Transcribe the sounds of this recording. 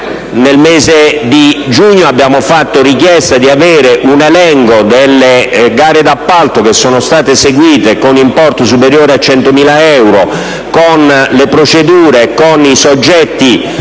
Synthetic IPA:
nelmeːzed̪id͡ʒuɲːoabːjaːmofat̪ːorikjɛst̪ad̪iaveːɾeʔunelɛŋkod̪elːeɡaːɾed̪apːalt̪okesːoːnost̪aːt̪eseɡwiːt̪ekonimpɔrt̪os̬upeɾjoːɾeat͡ʃːɛnt̪omiːlaɛwɾo | konlepɾot͡ʃed̪uːɾekonisod͡ʒːɛt̪ːi

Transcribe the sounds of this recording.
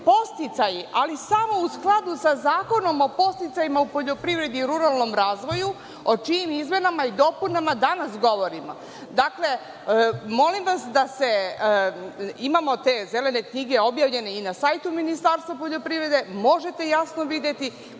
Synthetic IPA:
po̞st̪it̪sajiʔalisamo̞usklˠad̪usazaːko̞no̞mo̞po̞st̪it̪sajimaupo̞ʎo̞pɾiʋɾe̞d̪iːɾuɾalˠno̞mɾaːzʋo̞ju | o̞t͡ʃiːmizme̞namaid̪o̞punamad̪anasɡo̞ʋo̞ɾimo̰ | d̪akle̞ | mo̞limʋasd̪ase̞ | imamo̞t̪e̞ze̞le̞ne̞kɲiɡe̞objaːʋʎe̞ne̞inasajt̪uminist̪aɾst̪ʋapo̞ʎo̞pɾiʋɾe̞d̪e̞mo̞ʒe̞t̪e̞jasno̞ʋid̪je̞t̪i

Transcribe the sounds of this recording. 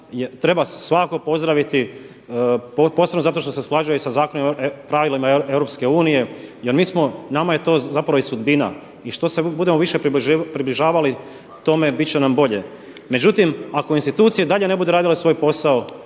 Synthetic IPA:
jet̪ɾe̞basʋakakopo̞zd̪ɾaʋit̪i | popo̞senozat̪o̞ʃt̪ose̞splˠaʒujesazaːko̞nompɾaʋilimaeeʋɾo̞pske̞uːnije̞jeɾmiːsmonamaje̞t̪o̞ːzapɾaʋoisud̪bina̰ | iʃt̪o̞sebud̪e̞moʋiʃe̞pːpɾibliʒaːʋali | t̪o̞me̞bit̪t͡ʃenambo̞ʎe̞ | me̞d͡ʑut̪imako̞inst̪it̪uːt̪sijed̪aʎe̞ne̞bud̪uɾaːd̪ile̞sʋo̞ːjpo̞sao

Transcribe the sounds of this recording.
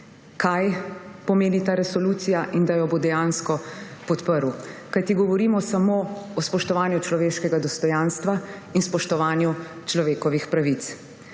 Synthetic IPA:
kajpɔmeːnit̪aːɾɛsɔlut̪sijaʔind̪ajɔbod̪ɛjaːnskɔpɔt̪pəɾwkajt̪iɡɔʋɔɾiːmɔsamoɔspɔʃt̪ɔʋaːnjut͡ʃlɔʋeːʃkɛɡad̪ɔst̪ɔjaːnst̪ʋainspɔʃt̪ɔʋaːnju | t͡ʃlɔʋeːkɔʋixpɾaʋit̪s

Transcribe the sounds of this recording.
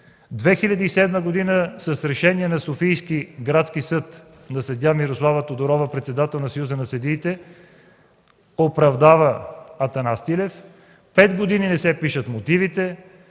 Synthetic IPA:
d̪vɛxilʲɐd̪iːsɛd̪məɡod̪inəsɐsɾɛʃɛniɛnɐsofijskiɡɾat̪sk̟isɤt̪ | nɐsɐd̪ʲjamiɾoslˠavət̪od̪oɾɔvəpɾɛt̪sɛd̪at̪ɛlˠnɐsɐjuzənɐsəd̪iːt̪ɛ | opɾɐvd̪avəːt̪ɐnast̪ilɛf | pɛd̪ɡod̪ininɛsɛpiʃət̪mot̪ivit̪ɛ

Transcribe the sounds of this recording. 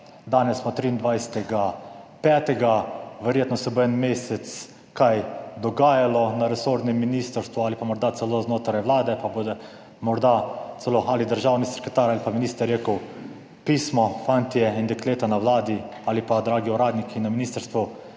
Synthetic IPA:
d̪aːnɛsːmɔt̪ɾiːind̪ʋajsɛ̥t̪ɛɡapɛːt̪ɛɡaʋɛɾjeːt̪nɔsɛboɛnmeːsɛt̪s | kajd̪ɔɡaːjalɔnaɾɛsoːɾd̪nɛmːiniːst̪əɾst̪ʋualipamɔɾd̪at̪sɛloznoːt̪ɾajʋlaːd̪ɛpabod̪ɛ | mɔɾd̪at̪sɛloalid̪əɾʒaːwnisɛɾkɾɛt̪aːɾalipaminist̪ɾɾjeːkəw | piːsmɔfant̪ijɛind̪ɛkleːt̪anawlaːd̪i | alipad̪ɾaːɡiuɾaːd̪nikʰinaminiːst̪əɾst̪ʋu

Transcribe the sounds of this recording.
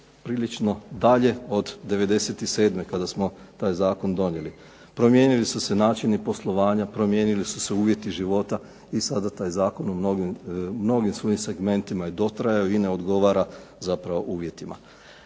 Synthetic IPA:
pɾiːlit͡ʃno̞d̪aʎe̞o̞d̪d̪e̞ʋe̞d̪e̞se̞t̪ise̞ːd̪me̞kad̪asmo̞ | t̪aːjzaːko̞nd̪o̞ɲje̞li | pɾo̞mje̞ːnilisuse̞naːt͡ʃinipo̞slˠo̞ʋaːɲapɾo̞mje̞ːnilisu̥se̞uːʋje̞t̪iʒiʋo̞t̪a | isad̪at̪aːjzaːko̞numnoɡimno̞ɡimsʋo̞jimse̞ɡme̞nt̪imaed̪o̞t̪ɾajajoine̞o̞d̪ɡo̞ʋaːɾa | zapɾaʋo̞ʔuːʋje̞t̪ima̰

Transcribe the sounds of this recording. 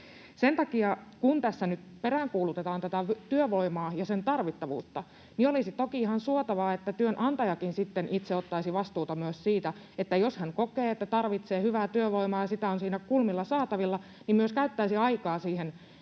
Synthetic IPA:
sent̪ɑkiɑkunt̪æsːænyt̪peɾæŋkuːlut̪et̪ɑːnt̪æt̪æʋt̪yøʋoimɑːjɑsent̪ɑrʋit̪ːɑʋṵːt̪ːɑ | niolisit̪okiihɑnsuot̪ɑʋɑːet̪ːæt̪yønʔɑnt̪ɑjɑkinsit̪ːenʔit̪seot̪ːɑisiʋɑst̪uːt̪ɑmyøssiːt̪æ | et̪ːæjoshæŋkokeːet̪ːæt̪ɑrʋit̪seːhyʋæːt̪yøʋo̞imɑːjɑsit̪æonsiːnækulmilːɑsɑːt̪ɑʋilːɑ | nimmyøskæyt̪ːæisiɑikɑːsiːhen

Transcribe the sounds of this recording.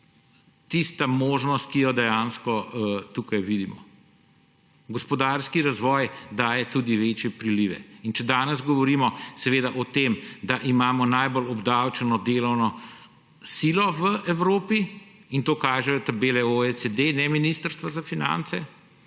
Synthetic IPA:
t̪ist̪amoːʒnɔst̪̚kijɔd̪ɛjaːnskɔt̪uːkajʋid̪imɔ̰ | ɡɔspɔd̪aɾskiɾazʋɔːjd̪aːjɛt̪uːd̪iʋeːt͡ʃjɛpɾiliːʋɛ̰int͡ʃɛd̪aːnɛzɡɔʋɔɾiːmɔsɛʋeːd̪aʔɔt̪eːmd̪aʔimaːmɔnajbolɔbd̪awt͡ʃɛnɔd̪eːlɔwnɔ | siːlɔʋəʔɛwɾoːpi | int̪oːkaːʒɛjɔt̪abeːlɛoet͡sed̪enɛminist̪əɾst̪ʋazafina̰nt̪sɛ

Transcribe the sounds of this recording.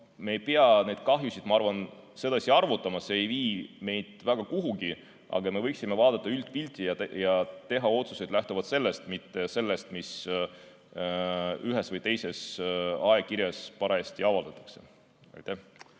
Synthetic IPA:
me̞ːjpeɑne̞jd̪̥̚kɑɦjusid̪̥mɑɑrvɑn | se̞d̪ɑsiɑrvut̪ːˑɑmɑse̞ːjviːme̞jd̪̥væɡ̥ɑkuɦuɡi | ʔɑ̰ɡ̥ɑme̞vɤjksʲimːe̞vɑːd̪ɑt̪ːˑɑylt̪̚ˑpilʲt̪ʲˑijɑjɑt̪e̞ɦɑo̞t̪su̥se̞jd̪læht̪ovɑd̪̥se̞lːest̪mit̪ːe̞se̞lːe̞st̪mis | yɦe̞svɤjt̪e̞jse̞sɑekiɾjɑspɑɾɑesʲt̪iɑvɑld̪ɑt̪ːˑɑ̥kse̞̥̰ | ɑ̰jt̪ːeh

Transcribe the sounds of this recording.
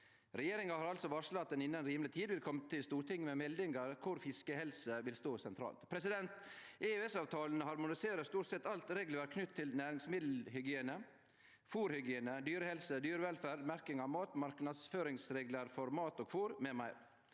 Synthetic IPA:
ɾɛjeːɾɪŋɑhɑːɾɑlsɔʋɑʂlɑt̪ːɛnɪnːənɾiːmlɪt̪ʰiːd̪ʋɪlkʰɔmːət̪ʰɪlst̪uːɾʈɪŋːmɛmɛld̪ɪŋɡɑɾkʰʊɾfɪskəhɛlsəʋɪlst̪oːsɛnt̪ʰɾɑ̰ːlt̪pʰɾɛsɪd̪ɛnt̪ʔɛøɛsɑːʋt̪ʰɑːln̩əhɑɾmʊnɪseːɾəst̪uːʈsɛt̪ːɑlt̪ɾeːɡləʋəɾkʰnʏt̪ʰːɪlnæːɾɪŋsmɪd̪l̩hʏɡɪeːnə | fuːɾhʏɡɪeːnəd̪yːɾəhɛlsəd̪yːɾəʋɛlfæːɾd̪mæɾkɪŋɑʋmɑːt̪mɑɾknɑd̪sføːɾɪŋsɾeːɡləɾfɔɾmɑːt̪ɔːɡfuːɾmɛmæɪɾ

